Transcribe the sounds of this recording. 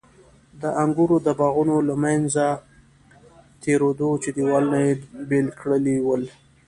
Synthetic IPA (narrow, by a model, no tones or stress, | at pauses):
d̪əʔaŋɡuɾod̪əbɑɣunolamanza | t̪eɾod̪ot͡ʃed̪iwɑlnajebelkɽəliwəl